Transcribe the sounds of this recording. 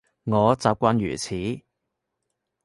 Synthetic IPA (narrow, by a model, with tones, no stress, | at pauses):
ŋɔː˨˧t͡saː˨p̚kʷaː˧njy̰ː˨˩t͡sʰiː˨˥